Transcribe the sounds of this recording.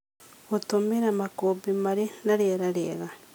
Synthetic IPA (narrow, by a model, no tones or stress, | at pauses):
otomeɾamakobimaɾinaɾeeɾaɾeɣa